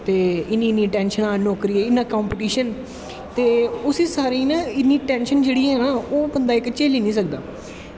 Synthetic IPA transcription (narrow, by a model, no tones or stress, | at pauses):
t̪eːɪnĩːniːʈɛ̃ːnʃənaːnoːkɾiːɛːɪnːãːkaːmpɪʈiːʃən | t̪eːʊsiːsaːɾiːnaːɪnːiːʈɛ̃ːnʃənd͡ʒeːɽiːɦɛːnaːoːbənd̪aːɪkt͡ʃeːliːnĩːs̬ək̚d̪aː